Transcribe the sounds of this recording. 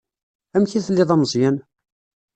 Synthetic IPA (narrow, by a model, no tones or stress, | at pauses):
æmçiθlːɪðˤɑmzˤjæn